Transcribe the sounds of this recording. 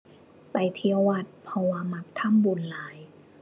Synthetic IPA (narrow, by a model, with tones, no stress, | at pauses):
pa˨jt̪ʰi˧əwa˧˩t̪̚pʰɔ˧waː˧ma˧˩p̚t̪ʰa˧˥˨mbu˨˦nlaː˨˦j